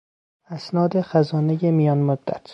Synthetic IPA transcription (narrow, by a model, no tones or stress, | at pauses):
æsnɒːd̪exæzɒːnejemijɒːnmod̪ːæ̰t̪ʰ